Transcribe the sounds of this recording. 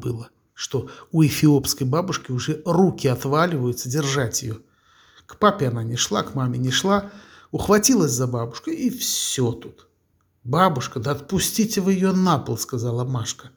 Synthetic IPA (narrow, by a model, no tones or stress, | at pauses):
bɨlˠə | ʂt̪oʊɪfʲɪopskəjbabʊʂkʲɪʊʐɛrukʲɪat̪valʲɪvəjʊt̪sədʲɪrʐatʲjɪ̰jo | kpapʲɪananʲɪʂlˠa̰kmamʲɪnʲɪʂlˠa | ʊxvɐtʲilˠəsʲzɐbabʊʂkəifssʲot̪ut̪ | babʊʂkəd̪əɐt̪̚pʊsʲtʲitʲɪvɨjɪjonapəlˠskazalˠɐmaʂkə